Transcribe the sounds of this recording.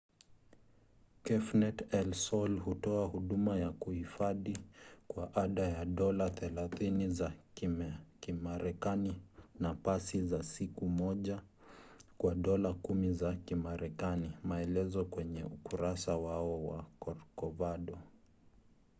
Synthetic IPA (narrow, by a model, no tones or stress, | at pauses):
kɛfnɛtɛlsɔlhutɔahuɗumajakuhifaðikwaʔaɗajaɗɔlaθɛlaθiniza | kimaɾɛkaninapasizasikumɔʄa | kwaɗɔlakumizakimaɾɛkanimaɛlɛzɔkwɛɲɛukuɾasawaɔwa̰kɔɾkɔvaɗɔ